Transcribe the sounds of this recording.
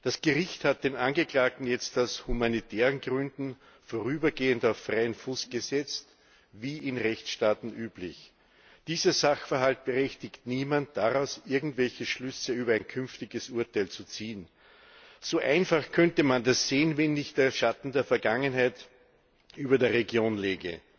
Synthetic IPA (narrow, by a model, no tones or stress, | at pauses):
d̥asɡ̥əʁɪçthat̚d̥eːnʔanɡəklaːk̚tn̩jɛt͡staʊshumanitʰɛːʁənɡʁʏndn̩ | foʁyːbɐɡeːəntaʊfʁaɪənfuːsɡ̥əzɛt͡st | viːʔɪnʁɛçt͡sʃtaːtn̩ʔyːblɪç | d̥iːzɐzaxfɛɐɦalt̚b̥əʁɛçtɪçtniːmant̚d̥aʁaʊsʔɪɐɡŋ̩tvɛlçəʃlʏsəyːbɐæ̃ɪnkʰʏnftɪɡəsʔuɐtaæɪlt͡sut͡siːən | soːʔaɪnfaχkʰœntəmandasseːənvɛnːɪçt̚d̥eːɐʃatn̩deːɐfɛɐɡaŋənɦæɪt | ʔyːbɐdeːɐʁeɡjoːnleːɡə̰